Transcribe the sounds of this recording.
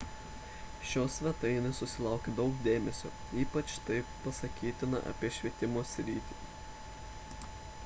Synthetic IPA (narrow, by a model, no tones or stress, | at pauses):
ʃʲoːsʲʋʲɛt̪ɐɪnʲɐssʊsʲɪlˠɐˑʊkʲed̪ɒʊkd̪ʲeːmʲɛsʲo̰ː | iːpɐt͡ʃt̪ɐɪppɐsɐkʲiːt̪ʲɪnɐ̰ʔɐ̰pʲiɛʃʲʋʲiɛt̪ʲɪmoːsʲɾʲiːt̪ʲiː